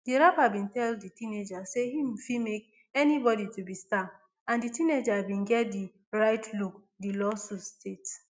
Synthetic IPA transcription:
diɹapabĩntɛlditĩned͡ʒasehifimek̚ | ɛnibɔɾitubista | ãnditĩned͡ʒabĩnɡɛt̚di | ɹaɪtʰluk | dilɔsustet

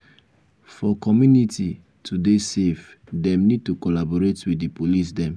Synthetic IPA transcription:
fɔkɔmjunitʰi | tʰudesef | dɛ̃mnid̚tukɔlabɔɹetwidipolis̬dɛ̃m

